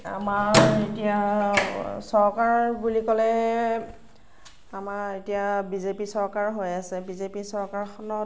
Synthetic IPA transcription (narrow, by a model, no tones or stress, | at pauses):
a̰maɹetija | sɔɹkaɹbulikɔlɛ | amaetijabizepisɔɹkaɹɦojasɛbizepisɔɹkaɹxʰɔnɔ